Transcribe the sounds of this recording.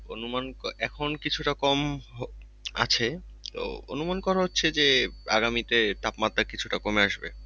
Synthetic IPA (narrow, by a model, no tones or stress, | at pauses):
o̰numanɛkʰonkit͡ɕʰuʈakɔmɦo | a̰t͡ɕʰet̪o̰o̰numankɔɾaɦotːɕʰed͡ʑea̰ɡamit̪et̪apmat̪ːakit͡ɕʰuʈakomeaʃbḛ